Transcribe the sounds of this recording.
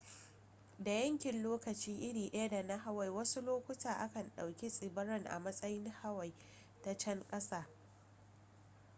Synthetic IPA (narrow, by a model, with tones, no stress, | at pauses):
da˨jɐ˦ŋkʲɪ˨nloː˦kɐ˨t͡ʃiː˦ʔɪ˦ɽiː˨ʔɐ˦ja˦da˨na˦ɦa˦wa˨jwɐ˦su˦loː˦kʷʊ˦taː˨ʔa˦kɐ˨nɗa˨wkʲe˦sʼɪ˨bɐ˦ɾɐ˦ŋʔa̰˨mɐ˦sʼɐ˦jɪ˦nha˦wa˨j | ta˨t͡ʃɐ˦ŋkʼɐ˦saː˦